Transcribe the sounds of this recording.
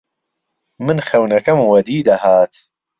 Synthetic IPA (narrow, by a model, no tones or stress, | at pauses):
mɨnxɐwnɐkɐmwɐd̪iːd̪ɐhaːt̪